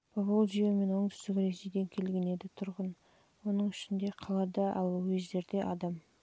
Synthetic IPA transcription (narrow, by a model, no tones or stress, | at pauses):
pʰovolˠʒijeme̞nwo̞ɴd̪ʏst̪ɪkʲɾe̞sejd̪e̞ŋkʲʰe̞lɡʲe̞ne̞d̪ɪt̪ʰʊɾʁən | wo̞nəɴʏʃɪnd̪e̞qʰɑlˠɑd̪ɑʔɑ̰lˠwezd̪e̞ɾd̪e̞ʔɑd̪ɑm